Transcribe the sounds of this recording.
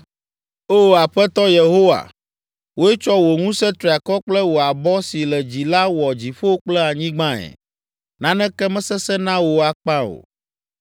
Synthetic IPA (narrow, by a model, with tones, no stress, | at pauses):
o˦a˨ɸɛ˦t̪ɔ˦je˨ɦo˦wa̰˨ | wo˦ɛ˦t͡ʃɔ˦wo˨ŋũ˦sɛ̃˦t̪ɾi˨a˨kɔ˦k͡plɛ˦wo˨a˨bɔ˦si˨lɛ˨d͡ʑi˨la˦wɔ˨d͡ʑi˨ɸo˦wo˦k͡plɛ˦a˨ɲĩ˦ɡ͡bã˦ɛ̰˨ | nã˦nɛ̃˦kɛ˦mɛ̃˦sɛ˦sɛ˦nã˦wo˨a˨k͡pã˦o̰˨